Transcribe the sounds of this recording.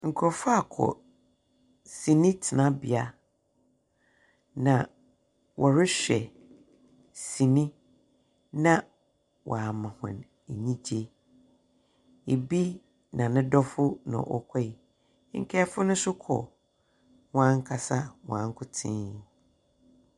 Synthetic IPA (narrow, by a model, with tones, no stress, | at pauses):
ŋ̩˨kʰɾɔ˨fʊ˦a˨kʰɔ̰˨ | sĩ˨nĩ˦tʰɪ˨nã˦bɪ˨a˦ | nã˨ | wʔɔ˨ɾɪ˦ɕᶣɛ˨ | sĩ˨nĩ˦ | nã˦ | wʔɔ̰˨a˨mã˨hʊ̰̃˨n | e˨ɲĩ˦d͡ʑe˦ | e˨bi˦ | nã˨nɪ̃˦dɔ˦fʊ˦nʊ̰̃˨ʔɔ˨kʷʰa˦i˨˦ | ŋ̩˨kʰɛ˦fʊ˦nʊ̃˦sʊ˦kʰɔ̰˨ | w̃ã˦ŋ˦kʰa˨sa˦wɔ̃˨ã˦ŋ˦kʰʊ˦tʰɪ̰̃˦